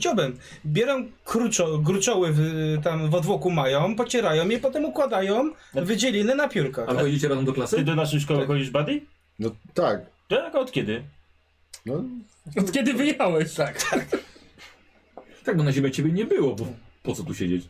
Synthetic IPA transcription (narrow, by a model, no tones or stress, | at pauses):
t͡ɕabɛm | bʲjɛɾɛmkɾut͡ʂɔk̬ɾut͡ʂɔwɘvt̪amvɔd̪vɔkumajɔ̃w̃pɔt͡ɕɛɾajɔ̃w̃jɛpɔt̪ɛmukwad̪ajɔ̃w̃vɘd͡ʑɛlʲinɛnapʲjuɾkaapɔjd͡ʑet͡ɕɛɾazɔmd̪ɔklasɪd̪ɔnaʂ̬ɛjʂ̬kɔwɛxɔd͡ʑiʐbad̪ʲij | nɔt̪ak̚ | t̪akaɔt̪kʲɛd̪ɘ | nɔ | ɔt̪kʲɛd̪ɘvɘjawɛɕt̪ak̪ | t̪ak̚bɔnaʑemʲɛt͡ɕebʲɛɲɛbɘwɔbɔpɔt̪sɔt̪uɕɛd͡ʑet͡ɕ